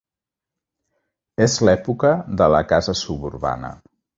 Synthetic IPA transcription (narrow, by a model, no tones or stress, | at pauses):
ezlɛpukəðələkazəsuβuɾβa̰nə̰